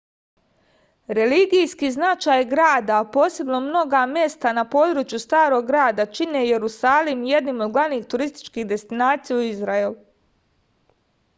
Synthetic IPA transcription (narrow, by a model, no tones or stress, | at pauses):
ɾe̞liɡijskiːznat͡ʃaːjɡɾaːd̪aːpo̞ːse̞bno̞mno̞ɡamje̞st̪anapo̞ːd̪ɾuːt͡ʃjust̪aːɾo̞ɡːɾaːd̪at͡ʃine̞je̞ɾusaːlimje̞d̪nimo̞d̪ɡlˠaʋniːxt̪uɾist̪i̥t͡ʃkiːɣd̪e̞st̪inaːt̪sijauizɾaelu